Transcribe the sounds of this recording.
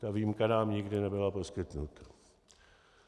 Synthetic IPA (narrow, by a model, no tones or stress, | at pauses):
t̪aviːmkanaːmɲɪɡdɪnɛbɪlapo̞skɪt̪nut̪ḁ